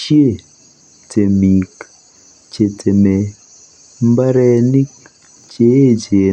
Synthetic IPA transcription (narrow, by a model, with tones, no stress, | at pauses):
ʃi˦e˦˨ | t͡se˨mi˨k | t͡ʃe˨t͡se˨me˨ | m̩˦ba˦ɾɛ˦ni˦k̚ | t͡ʃe˦˨t͡ʃe˨